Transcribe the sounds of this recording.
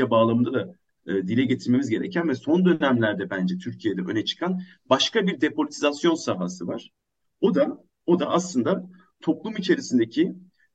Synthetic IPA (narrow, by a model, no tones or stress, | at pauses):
abaːlˠamɯnd̪ad̪aː | d̪ilʲɛɟe̞t̪ʰiɾme̞mizɟe̞ɾḛcʰænvɛso̞nd̪ø̞næmlʲæɾd̪ɛbænd͡ʒɛt̪ʰyɾcʰijed̪ɛʔø̞̰nɛt͡ʃʰɯ̥kʰan | baʃkʰabiɾd̪e̞polʲit̪ʰizasjo̞nsaɦasɯvaɾ̥ | o̞d̪a | o̞d̪aʔaslˠɯnd̪a | t̪ʰo̞plˠumit͡ʃʰe̞ɾisind̪ecʰi